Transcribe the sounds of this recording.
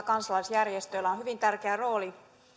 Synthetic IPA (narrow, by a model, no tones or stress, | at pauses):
kɑnsɑlɑisjærjest̪ølːæonɦyʋint̪ærkeæro̞ːli